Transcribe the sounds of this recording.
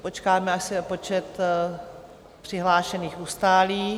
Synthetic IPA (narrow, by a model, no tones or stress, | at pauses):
po̞t͡ʃkaːmɛasɪopo̞t͡ʃɛt̪ | pr̥ɪɦlaːʃɛniːxust̪aːliː